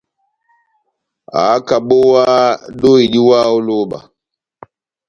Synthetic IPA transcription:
a̰ː˨˦ka˨ɓo˦wa˦ɗo˦i˨ɗi˦waː˦o˦lo˦ɓa̰˨

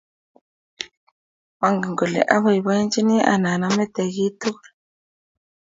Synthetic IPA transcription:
wa˨ŋɡi˨ŋɡɔ˨lɛ̰˨ʔa˦βa˨i˨βa˦i˦nt͡ʃi˦ni˦ʔa̰˨na˨na˦mɛ˦tɛ˨ɣi˦tu˦

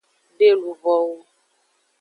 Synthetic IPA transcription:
ɖe˦lu˨vɔ˨wo˦

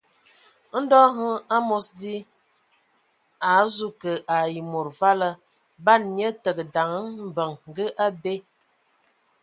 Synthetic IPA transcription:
n̩˦dɔ˦ɦə˦a˦mo˦sdi˦ | a˨˦zu˦kə˨ʔa˨ji˨mo˨ɾva˦lə˦ | ba˦˨nɲ˦ə˦tə˨ɡə˨da˨ŋə˦m̩˨bə˨ŋ˨ɡə˦ʔa˦be˦

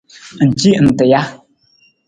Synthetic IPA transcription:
n̩˨t͡ʃi˦n̩˨tɨ˨ja˦

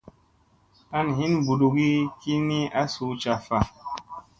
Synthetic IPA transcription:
a˦n˨ɦi˦nbu˨ɗu˨ɡi˦ki˦ni˦a˦su˨˦t͡ʃa˨fa˨

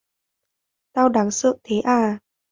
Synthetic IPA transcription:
t̪aː˧wɗaː˨˦ŋsɨ̰˧˨ŋt̪ʰe˨˦ʔaː˧˩

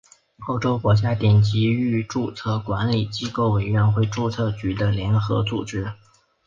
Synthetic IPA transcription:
o˥˩ʊʈ͡ʂo˥ʊkwɔ˧˥t͡ɕja˥t̪jɛ˨˩nt͡ɕi˧˥y˥˧ʈ͡ʂu˥˨˩t͡sʰɤ˥˩kwa˧˥nli˨˩t͡ɕi˥ko˥˩ʊwe˨˩ɪɥɛ˧˥nxwe˥˧ɪʈ͡ʂu˥˧t͡sʰɤ˥˩t͡ɕy˧˥d̪ə˧ljɛ˧˥nxɤ̰˧˥t͡sṵ˨˩ʈ͡ʂɻ̩˥

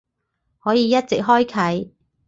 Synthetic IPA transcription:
hɔː˨˥jiː˨˧jɐ˥t̚t͡sɪ˨k̚ɦɔː˥jkʰɐ˨˥j

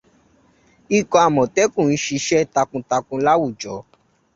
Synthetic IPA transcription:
i˦˨kɔ̃˨˧a˨mɔ̃˨tɛ˨˦kũ˦˨n̩˦ʃi˧ʃɛ˦ta˧kũ˧ta˧kũ˧la˦wu˦˨d͡ʒɔ˨˦

